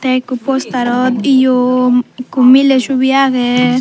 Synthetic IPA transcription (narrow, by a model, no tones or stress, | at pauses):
t̪ekupost̪aɾot̪ijo | kumileʃuβjaɣe